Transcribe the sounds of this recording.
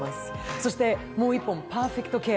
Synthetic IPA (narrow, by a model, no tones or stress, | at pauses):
asso̞ɕi̥t̪e̞ | moːipːõnpafekt̪oke